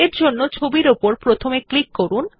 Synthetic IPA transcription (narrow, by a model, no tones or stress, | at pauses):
eɾd͡ʑonːot͡ɕʰobiɾupoɾpɾot̪ʰomeklikːoɾun